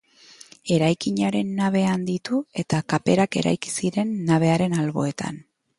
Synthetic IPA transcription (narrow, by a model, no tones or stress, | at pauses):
e̞ɾajkiɲaɾe̞nːaβ̞e̞and̪it̪ue̞t̪akape̞ɾake̞̰ɾa̰jki̥siɾe̞nːaβ̞e̞aɾe̞nalβo̞̰e̞t̪a̰n